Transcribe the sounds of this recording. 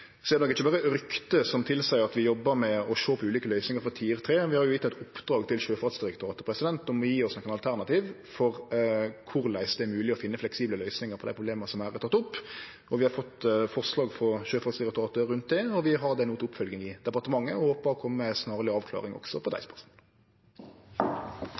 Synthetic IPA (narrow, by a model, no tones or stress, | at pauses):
sɔɛd̪ɛnɔkːɪt͡ʃːəbɑːɾəɾʏkt̪əsɔmt̪ʰɪlsæɪɑt̪ʋɪjɔbːəɾmɛɔʃoːpʰɔʉːliːkəlœʏsnɪŋəɾfɔt̪ʰiːɛɾət̪ʰɾeːʋɪhɑɾjʊɪt̪ːɛt̪ʊpːd̪ɾɑːɡt̪ʰɪlɕøːfɑt̪sd̪ɪɾɛkt̪ʊɑːt̪əpʰɾɛsɪd̪ɛnt̪ɔmɔjiːɔsnɔkːənɑlt̪ʰæɾnɑt̪iːʋfɔɾkʰʊɾlæɪsd̪ɛæɾmʉːlɪɔfɪnːəflɛksiːbləlœʏsnɪŋəɾpʰɔd̪æɪpʰʁʊbleːmənəsɔmæːɾæɾt̪ʰɑt̪ːʊpː | ɔʋɪhɑɾfɔt̪ːfɔʁslɑːɡfɔʁʃøːfɑt̪sd̪ɪɾɛk̚t̪ʊɑːt̪əɾʉnt̪̚d̪ɛɔʋɪɦɑɾd̪ɛnuːt̪ʊpfœlɡɪŋɪd̪̥ɛpɑɾt̪əmɑŋːəɔhoːpəɾɔkʰɔmːəsnɑːʁəlɪɑːʋkʰlɑ̰ːʁɪŋɔ̰ɡsɔpʰɔd̪æ̰ɪspʰɑs